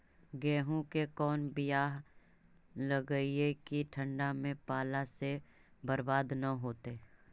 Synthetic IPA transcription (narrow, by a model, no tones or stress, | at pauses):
ɡɛːɦõkekɔːnbɪjaːɦ | ləɡəiekiʈʰə̃ɳɖamẽpaːlasebɐɾbaːd̪nɐɦoːt̪eː